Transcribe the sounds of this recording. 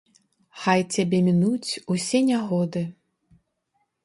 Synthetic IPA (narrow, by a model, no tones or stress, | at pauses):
xajt͡sʲabʲɛmʲinut͡sʲusʲɛnʲaɣɔd̪ɨ